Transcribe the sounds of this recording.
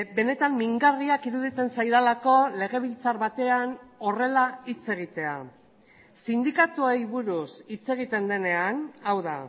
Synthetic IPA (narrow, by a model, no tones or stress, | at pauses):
be̞ne̞t̪amːiŋɡariakiɾuðit͡se̞nsajðalako̞le̞ɣ̞e̞β̞ilt͡sarβat̪e̞ano̞re̞lait͡se̞ɣ̞it̪e̞a̰ | sind̪ikat̪uejβuɾusit͡se̞ɣ̞it̪e̞nd̪e̞ne̞anawða